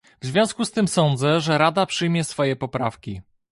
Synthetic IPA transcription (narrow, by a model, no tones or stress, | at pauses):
vzvʲjɔ̃skust̪ɘmsɔnd̪zɛʐɛɾad̪apʂɘjmʲjɛsfɔjɛpɔpɾafkʲi